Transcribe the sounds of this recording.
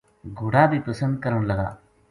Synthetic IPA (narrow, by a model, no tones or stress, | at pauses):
ɡʱʊɽaːbʱiːpəsə̃nd̪̚kəɾəɽ̃ləɡa̰ː